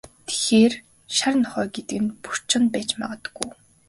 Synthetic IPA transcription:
t̪ʰe̥xeːr | ʃaɾə̆nχœːɡet̪ɘ̆ɡɘ̆npu̥r̥t͡ɕə̆npæːt͡ɕma̰ʁə̆t̪ə̥̆ɡuj

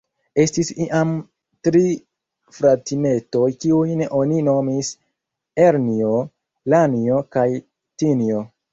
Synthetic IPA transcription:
e̞stisiʔam | tɾi | fɾatime̞to̞jkiujnʔo̞nino̞mis | eɾnio̞ | lanio̞kaj | tinio

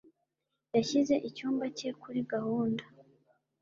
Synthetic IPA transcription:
jaçize̞ʔicuːmbace̞kuɾiɡahuːnda

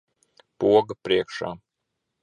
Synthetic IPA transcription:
puɔɡɐpɾiɛkʃa̰ː

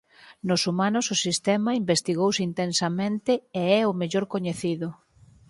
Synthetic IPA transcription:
nʊsumanʊsʊsist̪ɛmɐimbest̪iɣowsint̪ensɐmẽnt̪ɪeɛʊmeʎoɾkoɲeθiðʊ

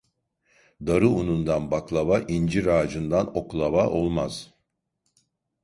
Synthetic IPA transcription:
d̪aɾɯunund̪anbaklˠaβaʔind͡ʒiɾaːd͡ʒɯnd̪ano̞klˠaβaʔo̞lˠmaz̥

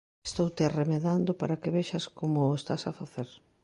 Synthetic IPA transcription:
e̥st̪owt̪earemeðand̪ʊpaɾakeβeʃaskomʊest̪asafaθeɾ

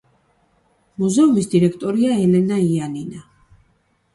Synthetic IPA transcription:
muzɛumisd̪iɾɛkʰt̪ʼɔɾiaɛlɛnaianina

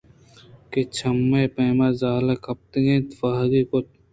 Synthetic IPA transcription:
ket͡ʃʰɐmːeːpeːmazaːlakʰɐp̚t̪eẽːt̪fɐɦɾikot̪̚

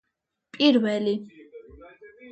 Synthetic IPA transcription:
pʼiɾvɛli

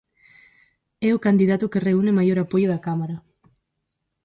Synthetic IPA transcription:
ɛʊkand̪iðat̪ʊkɪreunɪmajoɾapojʊðakamaɾɐ

